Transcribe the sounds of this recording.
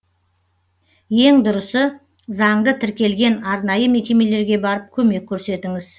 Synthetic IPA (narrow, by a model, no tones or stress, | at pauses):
je̞ŋd̪ʊɾəsə | zɑŋd̪ət̪ʰɪɾkʲe̞lɡʲe̞nɑɾnɑjəme̞kʲe̞me̞le̞ɾɡʲe̞bɑɾəp̚kʲʰɵme̞kʲʰːɵɾse̞t̪ɪŋɪz̥